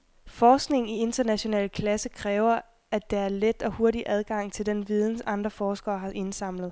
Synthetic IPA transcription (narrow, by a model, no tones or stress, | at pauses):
fɒːsɡ̥ne̝ŋ̩ie̝nd̥ɐnæɕo̝nɛ̰ːləkʰlæsəkʰʁɛːʊɐ | ʔæd̥eæɐled̥ɒ̽ho̝ɐɾiʔæð̞ˠɡ̥ɑ̈ŋ̰t͡sʰe̝ld̥enʋið̞ˠn̩sɑ̈nd̥ʁɐfɒːsɡ̥ɐːɦɑ̈ʔe̝nsɑ̈m̰lð̞̩ˠ